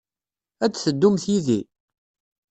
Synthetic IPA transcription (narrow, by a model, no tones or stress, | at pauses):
æt͡sːθəd̪ːumθiði